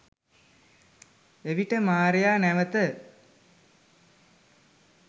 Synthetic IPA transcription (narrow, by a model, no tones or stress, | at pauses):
eʋiʈəmaːɾejaːnæʋət̪ə